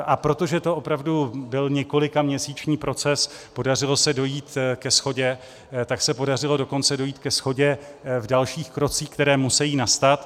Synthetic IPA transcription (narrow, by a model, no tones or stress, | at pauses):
ʔapɾo̞t̪o̞ʒɛt̪o̞ʔopɾavdubɪlɲɛko̞lɪkamɲɛsiːt͡ʃɲiːpɾo̞t͡sɛspo̞dar̝ɪlo̞sɛdo̞jiːt̪kɛsxo̞ɟɛ | t̪aksɛpo̞darɪlo̞do̞ko̞nt͡sɛdo̞jiːt̪kɛsxo̞ɟɛvdalʃiːxkɾo̞t͡siːkt̪ɛɾɛːmusɛjiːnast̪at̪